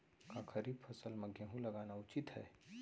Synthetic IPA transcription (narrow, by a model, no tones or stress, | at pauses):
kakʰɐɾibfʰɐsəlmɐɡʱẽɦũlɐɡaːnaʊt͡ʃɪt̪hɛ̰ː